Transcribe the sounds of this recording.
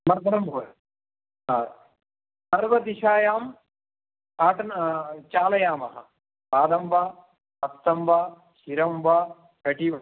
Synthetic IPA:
mɐɾd̪ʱɐɾɐmbʱoːɾɐ | aː | ɐɾʋɐd̪iʃaːjaːm | aːʈɐnt͡ʃaːlɐjaːmɐɦɐ̰̆ | paːd̪ɐmbaː | ɐst̪ːɐmʋaː | ʃiɾɐmʋaː | kɐʈiʋ

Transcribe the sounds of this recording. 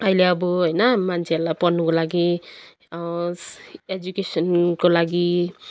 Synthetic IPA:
ʌjleʌbʌɦʌjnʌmant͡sʰeʌɾulajpʌnːukolaɡi | ed͡zukesʌnkolaɡi

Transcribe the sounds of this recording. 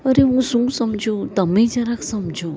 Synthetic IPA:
əɾeɦũsũɡsəmd͡ʒʱoːt̪əmẽd͡ʒaɾaksəmd͡ʒʱo

